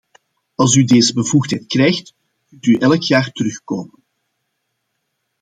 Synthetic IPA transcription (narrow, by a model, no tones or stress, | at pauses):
ɑlˠs̬ydeːzəbəvuxtɦɛjtkrɛjxt | mntyʔɛləkjaːrtəɾɵxkoːmən